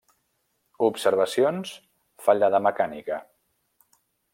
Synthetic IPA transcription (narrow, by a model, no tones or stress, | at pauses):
upsəɾβ̞əsions | faʎəðəməkanḭkə